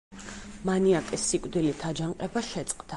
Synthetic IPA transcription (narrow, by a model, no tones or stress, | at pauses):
maniakʼisːikʼd̪ilit̪ʰad͡ʒaɴqʼɛbaʃɛt̪sʼqʼd̪a